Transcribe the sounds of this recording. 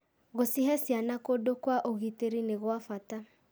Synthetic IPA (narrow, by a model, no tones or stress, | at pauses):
ɣosiɦɛsjanakodokwaʔoɣiteɾineɣwafata